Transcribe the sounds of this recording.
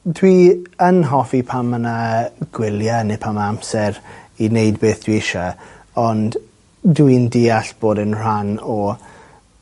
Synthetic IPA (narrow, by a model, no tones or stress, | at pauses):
dwiənɦɔfipʰamənaɡ̥wɪljanepʰamamsɛɾinejdbeːθd̥wiɪʃɔ | ɔnd | duindiːaɬb̥oːdənr̥anɔ